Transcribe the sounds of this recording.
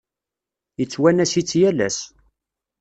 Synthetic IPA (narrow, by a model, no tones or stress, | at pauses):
jət͡sːwænæsit͡sːjælæ̰s